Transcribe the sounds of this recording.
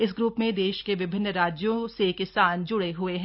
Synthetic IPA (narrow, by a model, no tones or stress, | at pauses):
ɪs̬ɡɾuːpmẽd̪eːʃkeʋɪbʱɪnːɾaːd͡ʒjõsekɪsaːnd͡ʒʊɽeɦʊeɦɛ̃